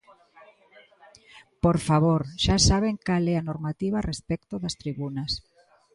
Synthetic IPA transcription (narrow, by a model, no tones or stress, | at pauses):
poɾfaβ̞oɾʃasaβ̞eŋkalɛanoɾmat̪iβarespɛkt̪ʊðɐst̪ɾiβunɐs